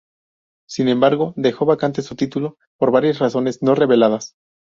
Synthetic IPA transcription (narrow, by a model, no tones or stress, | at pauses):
sinẽ̞mbaɾɣo̞ðe̞xo̞βakant̪e̞sut̪it̪ulo̞ | po̞ɾβaɾjasraso̞ne̞zno̞re̞βe̞lað̞as